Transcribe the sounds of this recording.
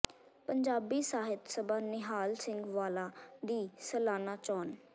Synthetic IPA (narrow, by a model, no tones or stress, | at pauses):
pəɲd͡ʒaːbiːsaːɦɪt̪səbaːnɪɦaːlsɪ̃ŋɡʋaːlaːd̪iːsəlaːnaːt͡ʃɔːn